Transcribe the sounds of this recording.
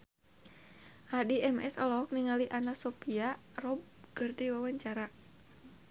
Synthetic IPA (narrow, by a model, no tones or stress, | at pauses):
hadiʔɛmɛ̰sɔlɔɦɔk̚niŋaliʔanasɔpiarɔb̚ɡ̥ɨrdiwawaɲt͡ʃaɾa